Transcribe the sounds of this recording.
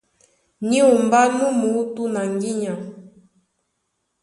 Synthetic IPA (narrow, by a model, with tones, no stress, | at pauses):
ɲi˦u˨mba˦nũ˦mu˨˦tu˦na˨ŋɡi˦ɲã˨